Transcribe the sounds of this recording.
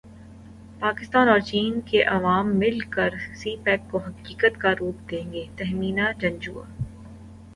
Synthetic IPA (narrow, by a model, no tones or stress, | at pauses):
paːkɪst̪aːnɔːɾt͡ʃiːnkeʔɐʋaːmːɪlkəɾsiːpɛːkkoɦɐkiːkət̪kaɾuːp̚d̪ẽːŋɡeːt̪ɛɦmiːnad͡ʒɐ̃nd͡ʒuːa̰ː